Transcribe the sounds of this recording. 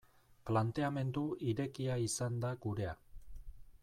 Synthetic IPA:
plant̪e̞ame̞nd̪uʔiɾe̞kiaisand̪aɡuɾe̞a

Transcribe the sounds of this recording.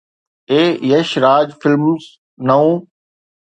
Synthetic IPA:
eːjəʃɾaːd͡ʒfɪlmz | nɐũː

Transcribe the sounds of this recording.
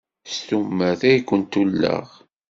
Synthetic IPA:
st̪umːəθæjkʷːənt̪ulːə̰ʁ

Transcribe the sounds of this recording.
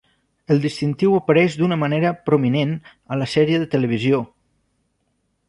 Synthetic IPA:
əlˠd̪ist̪int̪iwəpəɾɛʒd̪unəməneɾəpɾuminen | ələsɛɾiəðət̪ələβ̞izio

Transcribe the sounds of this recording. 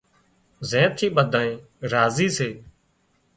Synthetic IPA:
zẽːt̪ʰiːɓəd̪ʱaːẽː | ɾaːziːseː

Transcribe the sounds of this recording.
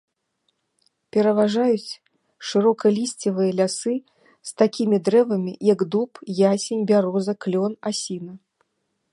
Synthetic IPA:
pʲɛɾɐvaʐajut͡sʲ | ʂɨɾɔkɐlʲisʲt͡sʲɐvɨjɐlʲasɨ | st̪akʲimʲid̪ɾɛvɐmʲijɐɡd̪upjasʲɛnʲbʲaɾɔzɐklʲɔnasʲinɐ

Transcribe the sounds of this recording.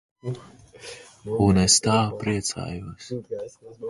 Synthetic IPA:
unest̪aːpɾiɛt̪sa̰ːjuɔs

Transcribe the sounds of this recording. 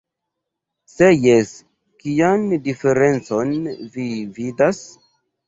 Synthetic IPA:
se̞jes | kijandife̞ɾe̞nt͡so̞nvividas

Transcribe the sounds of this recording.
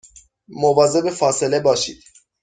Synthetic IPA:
movɒːze̞befɒːsele̞bɒːʃḭːd̪̥

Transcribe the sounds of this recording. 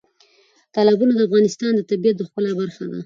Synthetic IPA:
t̪ɑlɪbunod̪əafɣɑnɪst̪ɑnd̪ət̪abijat̪̚d̪əxpəlabaɾxad̪a̰

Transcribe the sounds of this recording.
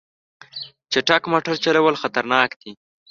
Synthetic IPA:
t͡ʃeʈakmoʈaɾt͡ʃalawəlxat̪aɾnɑːkd̪̥i

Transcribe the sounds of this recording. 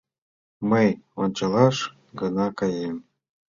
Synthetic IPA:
məjont͡ɕɤlˠɑʃ | ɡɤ̆nɑkɑjem

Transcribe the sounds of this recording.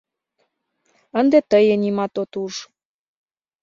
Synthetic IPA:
ənd̪et̪əjə̆nimɑt̪ot̪uʃ

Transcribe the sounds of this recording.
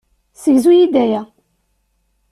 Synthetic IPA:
səʝzujid̪æjæ

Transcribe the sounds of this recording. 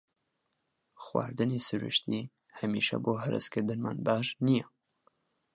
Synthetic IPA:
xwa̰ːɾd̪ɨneːsɨɾṵʃt̪iː | hɛmiːʃɛ̰boːɦɛɾɨ̰skɨɾd̪ɨnma̰ːnbaːʒnijɛ

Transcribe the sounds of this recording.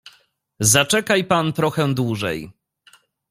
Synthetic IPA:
zat͡ʂɛkajpant̪ɾɔxɛ̃d̪wuʐɛ̰j

